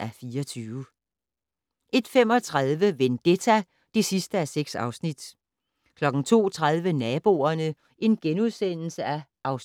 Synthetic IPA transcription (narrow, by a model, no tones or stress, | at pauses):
æfiːɒt͡sʰyːʊ | ʔe̝d̥fem̰ɒ̽t͡sʰʁað̞ˠʋəʋend̥et͡sʰæ | d̥e̝sisd̥əæseɡ̥sɑ̈ʊsnid̥ | kʰlɒ̽ɡ̥n̩t͡sʰo̝̰ːt͡sʰʁað̞ˠʋənɛːb̥o̝̰ːɐnə | e̝nɡ̥enuðˠsen̰l̩səæʔɑ̈ʊs